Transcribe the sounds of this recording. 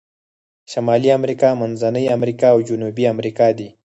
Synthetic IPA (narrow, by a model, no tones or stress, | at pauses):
ʃamɑliamɾikɑmanzanəjamɾikɑːwd͡ʒʊnubiamɾikɑd̪i